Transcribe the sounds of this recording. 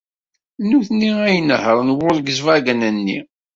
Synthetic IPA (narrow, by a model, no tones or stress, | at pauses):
nuθniæjənəhəɾˤnwʊɾɡəzvæɡænənːḭ